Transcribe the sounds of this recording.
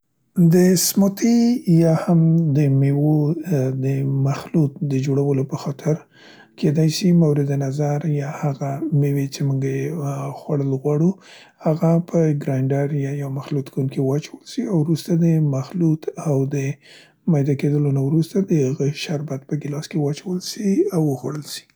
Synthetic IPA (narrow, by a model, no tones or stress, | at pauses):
d̪əsmʊt̪ʰijɑhamd̪əmewod̪əmaxlut̪̚d̪əd͡ʒoɽawəlopəxɑt̪ʰɪɾ | kʰed̪ajsimawɾɪd̪anazaɾjɑhaɣamewet͡ʃemuŋɡaexwaɽəlɣwɑɽu | haɣapʰəɡɾajɳɖaɾjajawmaxlut̪kunkiwɑt͡ʃawəlsiawɾust̪ad̪əmaxlut̪ʰawd̪ə | majd̪ɑked̪əlonawɾust̪ad̪əhaɣəʃaɾbat̪̚pəɡɪlɑskewɑt͡ʃawəlsiawəxwaɽəlsi̥